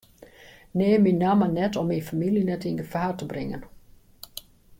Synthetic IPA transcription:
neːminamənɛtɔminfamiljinɛtinɡəfaːrtəbrɪŋə̰n

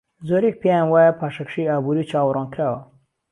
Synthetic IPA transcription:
zoːɾek̚pʰejãnwaːjapʰaːʃɐkʃiaːbuːɾit͡ʃʰaːwɾɔnkʰɾaːwɐ

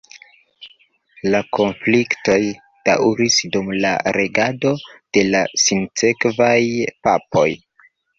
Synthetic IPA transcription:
lako̞nflikto̞j | d̥a̰wɾisdumla̰ɾe̞ɡado̞d̥e̞lasint͡se̞kvajpapo̞j

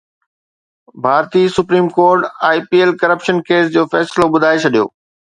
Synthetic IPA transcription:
bʱaːɾt̪isʊpɾiːmkoːɾʈaːipiːelkɐɾəpʃənkeːs̬d͡ʑoːfɛːsloɓʊd̪ʱaːet͡ɕʰɐɗijo̰ː

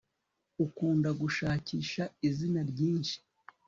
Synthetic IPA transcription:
ukuːndaɡuʃaːciːʃaizinaɾɟiːnʃi̥

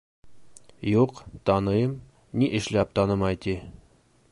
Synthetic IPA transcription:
juqt̪ɑnɤ̆jɤm | nʲiʔɘ̆ʃlæp̚t̪ɑnɤmɑjt̪i

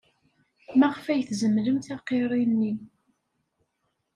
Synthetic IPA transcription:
mæʁfæjθzəmləmt̪ɑqeɾˤinːi

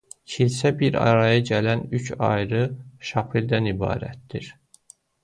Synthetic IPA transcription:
cʰilsæbiɾɑ̰ɾɑjɑɟælænyt͡ʃʰɑ̰jɾɯʃɑpʰild̪ænibɑ̰ːɾæ̰t̪̚d̪iɾ̥

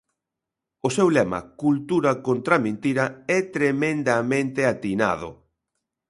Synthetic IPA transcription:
ʊsewlɛmɐ̰kult̪uɾɐkont̪ɾamẽnt̪iɾɐɛt̪ɾemẽnd̪amẽnt̪ɪat̪ina̰ðʊ̰

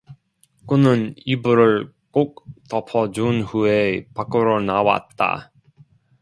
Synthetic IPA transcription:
kunɯnibuɾɯɭ | k͈ok̚tʌpʰʌd͡ʑunhuepak͈ɯɾonawa̰t̚t͈a̰

